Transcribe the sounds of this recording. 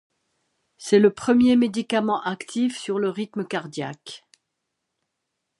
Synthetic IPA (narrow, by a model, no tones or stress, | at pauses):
sɛləpχəmjemed̪ikamɑ̃ʔakt̪ʰifsyʁləʁit̪məkaʁd̪ja̰k